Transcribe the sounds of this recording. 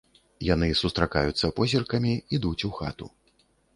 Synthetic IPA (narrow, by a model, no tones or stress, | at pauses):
janɨsust̪ɾaka̰jut̪sːɐpɔzʲirkɐmʲiid̪ut͡sʲuxa̰t̪ṵ